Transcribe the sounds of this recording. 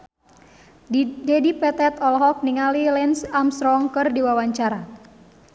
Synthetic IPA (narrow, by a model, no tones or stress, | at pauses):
dɛdipɛt̪ɛt̪ɔlɦɔk̚niŋalilɛnsamsɾɔŋkɨrdiwawaɲt͡ʃaɾa